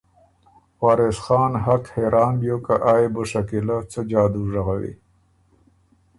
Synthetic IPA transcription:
waːɾesxɑːnɦakheɾʔɑːnbjoːkaʔaːeboʂakilat͡səd͡ʒɑːd̪uʐaɣawḭ

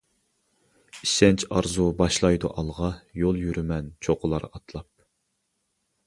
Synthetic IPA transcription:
iʃɛnt͡ʃʰɑɾzubɑʃlˠɑjd̪uʔɑlˠʁɑjolˠjyɾymɛnt͡ʃʰoqʰʊlˠɑɾɑt̪ʰlˠɑp̚

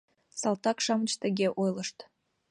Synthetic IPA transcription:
sɑlˠt̪ɑkʃɑmət͡ɕt̪ə̆ɣʲeʔojləʃt̪

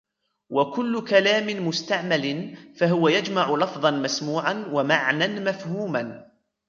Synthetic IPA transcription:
wakʊlːʊkalaːmɪmʊst̪aʕmalɪnfaɦʊwajad͡ʒmaʕʊlɑfðˤɑnmasmuːʕanwamaʕnanmafhuːman

